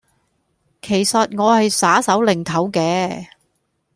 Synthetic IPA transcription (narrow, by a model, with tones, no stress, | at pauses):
kʰe˨˩jsɐ˨t̚ŋɔː˨˧hɐ˨jsaː˨˥sɐ˨˥wlɪ˨˩ŋt̪ʰɐ˨˥wkɛː˧˥